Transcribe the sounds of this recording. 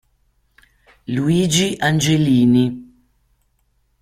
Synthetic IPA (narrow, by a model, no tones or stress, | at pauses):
luiːd͡ʒiʔand͡ʒeliːni